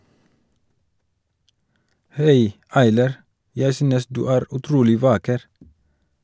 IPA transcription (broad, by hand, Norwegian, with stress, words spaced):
ˈhæɪ ˈɑɪlɑɾ ˈjæɪ ˈsyːnəs ˈdʉː ˈæːɾ ʉˈtɾuːlɪ ˈʋɑːkəɾ